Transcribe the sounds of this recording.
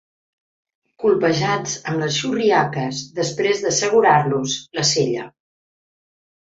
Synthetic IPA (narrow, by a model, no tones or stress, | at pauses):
kulˠpəʒad͡zəmləsʃuriakəzðəspɾezðəsəɣ̞uɾaɾluzləseʎə